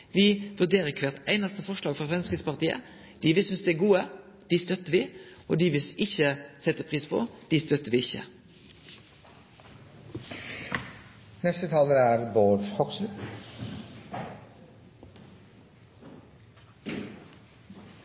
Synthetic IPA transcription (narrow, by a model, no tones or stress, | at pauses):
ʋɪʋʉd̪eːɾəkʰʋɛt̪æ̰ɪnɑst̪əfɔʂlɑːɡfɑfʁɛnskəspɑʁt̪iːə̰ | d̪̥ɪːʋɪsʏnsd̪ɛæɡuːə | d̪̥ɪst̪œt̪ːəʋɪʔo̰ːd̪ɪʋɪsɪçəsɛt̪ːəpʰʁiːspʰɔ̰d̪̥ɪst̪œt̪əʋɪɪçə̰ | nɛst̪ət̪ʰɑːləɾæɾboːɾfkʰɔksl̩